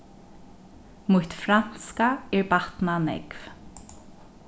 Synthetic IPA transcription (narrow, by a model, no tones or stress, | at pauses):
muht̪fɾan̥skaɛɹbat̪nanɛ̰kv̥